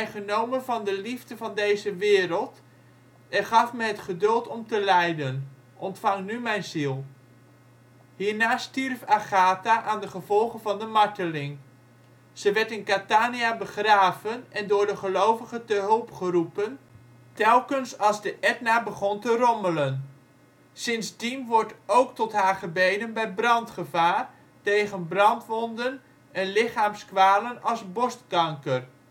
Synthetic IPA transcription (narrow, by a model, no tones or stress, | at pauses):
ɛjχənowmənvɑndəlivdəvɑndejzəʋɪːɾəlˠt | ɛnχɑfmɛɦətχədɵlˠtɔmtəlɛjdən | ʔɔntfɑŋnymɛjnzilˠ | hiːɹnaːstirfaχaːtaʔaːndəχəvɔlˠχənvɑndəmɑɹtəlɪŋ | z̥əʋɛɹtɪnkataːniabəχraːvənɛndʊːɹdəχəlowvəχətəɦɵlˠpχərupən | tɛlˠkənsɑlˠzdəʔɛt̚nabəχɔntərɔmələn | sɪnzdimʋɔɹtowktɔtɦaːɹχəbejdənbɛjbrɑntχəvaːr | tejχənbrɑntʋɔndən | ɛnlɪχaːmskʋaːlənɑlˠzbɔstkɑŋkər